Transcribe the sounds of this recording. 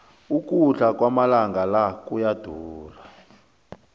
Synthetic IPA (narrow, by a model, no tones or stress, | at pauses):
uk̬ʼuɬak̬wamalaŋɡalakujad̥ʱuːra